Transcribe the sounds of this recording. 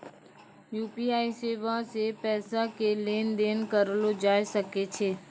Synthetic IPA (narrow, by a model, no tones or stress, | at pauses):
juːpiaːiseːʋaãsepɛːsãkeleːnd̪eːnkəɾlod͡ʒaːjsəket͡ʃʰeː